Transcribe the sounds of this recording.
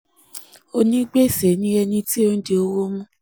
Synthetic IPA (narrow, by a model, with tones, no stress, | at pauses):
o˧nĩ˦ɡ͡be˦˨se˨˦nĩ˦ɛ˧nĩ˧ti˦o˧n̩˦de˧o˧wo˦mũ˦